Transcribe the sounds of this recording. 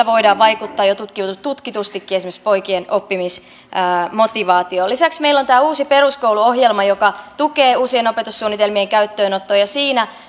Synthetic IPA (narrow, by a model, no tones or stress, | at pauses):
æʋoidɑːʋʋɑikut̪ːɑːjot̪ut̪kit̪ut̪kit̪ust̪ikːiesimĕkspoikienʔopːimis | əːmo̞t̪iʋɑːt̪iolisæksmeilːont̪æːuːsiperuskouluoɦjelmɑjokɑt̪ukeːuːsienopet̪usːuːnːit̪elmieŋkæyt̪ːøːnot̪ːoːjɑsiːnæ